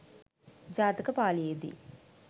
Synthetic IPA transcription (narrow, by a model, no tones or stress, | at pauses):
d͡ʒaːt̪ikəpaːlijed̪ḭ